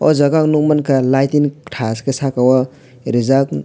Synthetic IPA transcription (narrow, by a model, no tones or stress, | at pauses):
ɔzaɡaŋnuk̚mankalajtinʈʰaskesakawa | ɾizak̚